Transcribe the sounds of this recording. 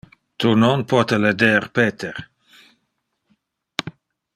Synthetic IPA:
t̪unonpʰɔt̪eled̪eɾpeːt̪ʰeɾ

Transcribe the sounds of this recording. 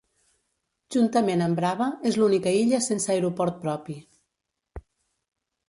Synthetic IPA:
ʒunt̪əmenəmbɾaβəezlunikəiʎəsensajɾupɔɾt̪̚pɾɔpi

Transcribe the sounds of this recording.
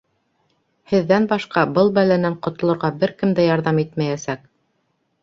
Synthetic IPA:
hɘ̆ðːænbɑʃqɑbɤlˠbælænæɴqŏt̪ŏlˠŏɾʁɑbɘɾkɘmd̪æjɑɾðɑmit̪mæjæsæk

